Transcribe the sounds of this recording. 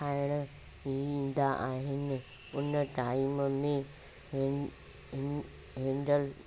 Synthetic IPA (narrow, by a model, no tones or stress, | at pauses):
aːɪɽ̃ə | iʋĩːn̆d̪aʔãːɦɪnɪ | ʊnəʈaːiːməmẽ | ɦɪ̃ɳɖəl